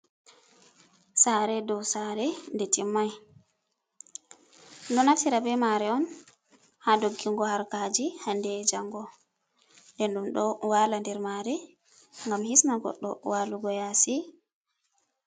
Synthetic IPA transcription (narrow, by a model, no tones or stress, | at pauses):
saɾɛdɔwsaɾɛndɛtimːaj | nɔnatiɾabɛmaɾɛɔn | hadoɡːiŋɡɔhaɾkaːd͡ʒihandɛd͡ʒaŋɡɔ | ndɛnɗumɗɔwaːlandɛɾmaɾi | ŋɡamhismaɡɔ̰ɗːɔ̰waːluɡɔjasi